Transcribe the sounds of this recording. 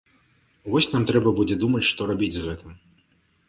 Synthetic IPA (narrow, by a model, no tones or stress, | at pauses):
vɔsʲnamt̪ɾɛbɐbud͡zʲɛd̪umɐt͡sʲʂt̪ɔɾabʲid͡zʲzɣɛt̪ɨm